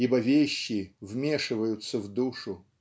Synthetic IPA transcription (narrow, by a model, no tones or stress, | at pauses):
ibɐvʲeɕːɪvmʲeʂɨvəjʊt̪səvd̪uʂʊ